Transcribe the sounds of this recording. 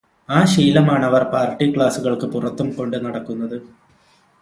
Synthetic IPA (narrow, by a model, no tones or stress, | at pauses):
aːɕiːlɐmaːɳɐʋɐrpaːrʈːikɭaːsuɣɐɭkɨpurɐt̪ːumko̞ɳɖɨnɐɽɐkːunːɐðɨ